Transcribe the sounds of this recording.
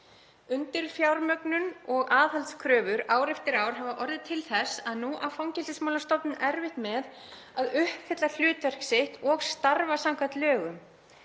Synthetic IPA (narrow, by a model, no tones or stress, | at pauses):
ʏnt̪ɪɾ̥fjawɾmœknʏnɔɣaːðhalt̪skʰɾœːvʏɾaːwɾɛft̪ɪɾaːwɾ̥ɦaːvaʔɔɾðɪt̪ʰɪlθɛsaðnuʔawfawŋcɛlt̪ɪsmawlast̪ɔpnʏnɛɾvɪht̪mɛð | aðʏhpfɛt̪lal̥ʏːt̪vɛr̥ksɪht̪ɔɣst̪aɾvasawŋkat̪lœːɣʏm